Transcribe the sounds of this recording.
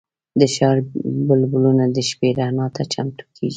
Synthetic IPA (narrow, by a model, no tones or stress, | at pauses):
d̪əʃɑɾbʊlbʊlunad̪əʃpeɾanɑt̪ʰat͡ʃamt̪ʰu̥kʰeɡi